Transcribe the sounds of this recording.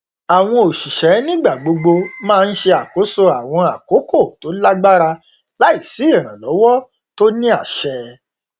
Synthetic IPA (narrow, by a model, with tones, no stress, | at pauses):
a˨w̃ɔ̃˧o˨ʃi˨ʃɛ˨˦nĩ˦ɡ͡ba˦˨ɡ͡bo˧ɡ͡bo˧mãː˦˧n̩˦ʃe˧a˨ko˨˦so˧a˨w̃ɔ̃˧a˨ko˨˦ko˦˨to˨˦la˦ɡ͡ba˦ɾa˧ | la˦i˦˨si˨˦i˦˨ɾ̃ã˨lɔ˨˦wɔ˦ | to˦nĩ˦a˦˨ʃɛ˧